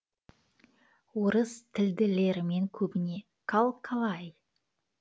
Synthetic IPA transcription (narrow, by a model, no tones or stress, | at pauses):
woɾəst̪ʰɪld̪ɪle̞ɾɪme̞ŋkʲʰɵbɪne̞ | kʰalˠkʰɑlˠɑj